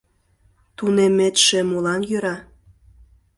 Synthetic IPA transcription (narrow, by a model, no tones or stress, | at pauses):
t̪unemet̪ʃĕmulɑnjøɾɑ